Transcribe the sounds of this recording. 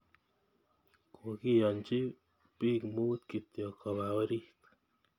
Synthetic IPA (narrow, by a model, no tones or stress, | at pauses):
kʰokijɔnt͡ʃi | pikmut̪kit̪jɔkʰɔβaɔɾit̪